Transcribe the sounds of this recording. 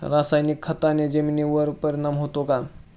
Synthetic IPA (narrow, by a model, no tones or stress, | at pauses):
ɾasajnikʰːət̪aned͡ʑəminiʋəɾpəɾiɳamɦot̪oka